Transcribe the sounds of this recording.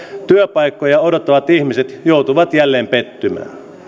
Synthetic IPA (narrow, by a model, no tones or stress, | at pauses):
t̪yøpɑikːojɑodot̪ːɑʋɑt̪ihmiset̪jout̪uʋɑt̪jælːeːmpet̪ːymæ̰ː